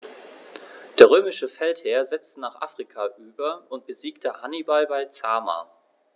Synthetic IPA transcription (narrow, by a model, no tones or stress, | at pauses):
d̥eːɐʁ̞øːmɪʃəfɛltheːɐzɛt͡stənaːχʔa̰ːfʁ̥ikʰaʔyːbɐʊnt̚b̥əziːktʰəhanibalbaɪt͡saːma̰ː